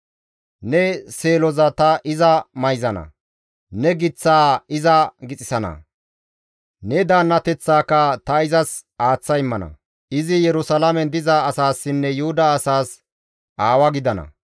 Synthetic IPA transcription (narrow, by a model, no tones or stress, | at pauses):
nɛse̞ːlɔzɐt̪ɐʔɪzɐmɐjzɐnɐ̰ | nɛɡɪt͡sːaːɪzɐɡɪt͡sʼɪsɐnɐ̰ | nɛd̪aːnːɐt̪ɛt͡sːaːkːɐt̪ɐɪzɐsʔaːt͡sːɐjɪmːɐnɐ̰ | ɪzɪjɛɾʊsɐlɐmɛnd̪ɪzɐːsaːsːɪnːɛjʊhʊd̪ɐːsaːs | ʔaːwɐɡɪd̪ɐnɐ̰